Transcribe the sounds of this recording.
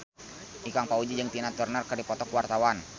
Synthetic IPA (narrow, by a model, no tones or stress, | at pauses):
ʔikaŋpaud͡ʒid͡ʒəŋt̪inat̪urnərkərdipɔt̪ɔkwart̪awan